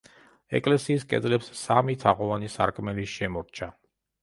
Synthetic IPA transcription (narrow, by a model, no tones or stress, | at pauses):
ɛ̰kʼlɛsiːskʼɛ̰d̪zlɛpsːamit̪ʰaʁɔvanisa̰ɾkʼmɛliʃɛmɔɾt͡ʃʰa